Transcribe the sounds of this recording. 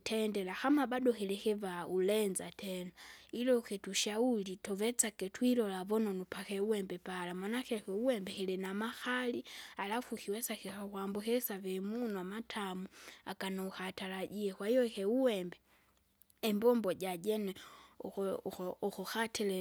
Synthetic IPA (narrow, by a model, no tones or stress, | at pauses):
tʰɛndɛlaxamabaɗɔhɛlɛkɛvaulɛnzatʰɛnailɔkɛtuʃaulitɔvɛt͡sakɛtwiɾɔlavɔnɔnupakɛuwɛmbɛpalamanakɛkɛuwɛmbɛhɛlɛnamaxalialafukiwɛsakixawambukɛsavɛmunuamatʰamuakanauxataɾaɟiɛkwaijɔkɛuwɛmbɛ | ɛmbɔmbɔɟad͡ʒɛnɛ | ɔxɔxatʰɛlɛ